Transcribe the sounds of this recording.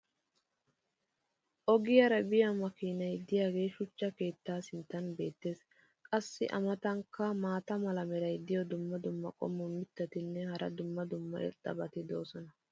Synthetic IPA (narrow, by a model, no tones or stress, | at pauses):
ʔɔɡɪjɐɾɐbɪjɐmɐkiːnɐjd̪ɪjaːɡe̞ːʃʊt͡ʃːɐke̞ːt̪ːaːsɪnt̪ːɐnbe̞ːt̪ːe̞ːs | kʼɐsːɪ̰ʔɐmɐt̪ɐŋkːɐmaːt̪ɐmɐlɐmɛɾɐjd̪ɪjɔd̪ʊmːɐd̪ʊmːɐ̰kʼɔ̰mːʊmɪt̪ːɐt̪ɪnːɛhɐɾʔɐ̰d̪ʊmːɐd̪ʊmːɐʔɛ̰t̪ʼːɐ̰bɐt̪ɪd̪o̞ːsɔnɐ